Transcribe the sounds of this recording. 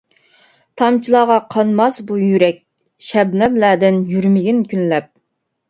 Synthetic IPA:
t̪ʰɑmt͡ʃʰilˠɑːʁɑqʰɑnmɑsbujyɾɛk̚ʲ | ʃɛbnɛblæːd̪ɪnjyɾmɪɡʲinkʲʰynlɛp̚

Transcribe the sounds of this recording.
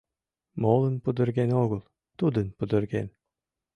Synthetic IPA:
molˠɤnpɤ̆d̪ɤ̆ɾɡenoɣɤ̆lˠ | t̪ud̪ɯnpɤ̆d̪ɤ̆ɾɡen

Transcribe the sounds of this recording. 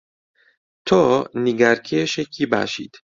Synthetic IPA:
t̪ʰoniɡæɾkʰeʃjecʰːiːbæ̰ʃḭːd̪̥

